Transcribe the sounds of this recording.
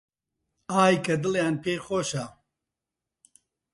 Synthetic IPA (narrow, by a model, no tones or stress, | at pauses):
aːjkɐd̪ɨljaːnpʰeːxoːʃa